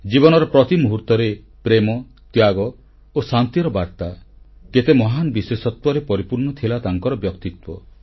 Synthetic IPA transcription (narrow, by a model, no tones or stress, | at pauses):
d͡ʒibɔnɔɾɔpɾɔt̪imuɦuɾt̪ɔɾe | pɾemɔ | t̪jaɡɔ | osant̪iɾɔbaɾt̪aket̪emɔɦanɔbiswesɔt̪wɔɾepɔɾipuɾɳɔt̪ʰilat̪aŋkɔɾɔbjɔkt̪it̪wɔ